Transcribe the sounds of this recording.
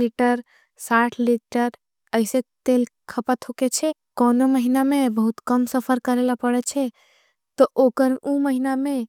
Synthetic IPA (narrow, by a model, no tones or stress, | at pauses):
liʈəɾ | saʈʰliʈəɾ | əɪset̪elkʰəpət̪ɦoket͡ʃʰɛ | kɔnoməɦinamebəɦut̪kəmsəpʰəɾkəɾelapəɽɛt͡ʃʰɛ | t̪ɔʔokəɾuməɦiname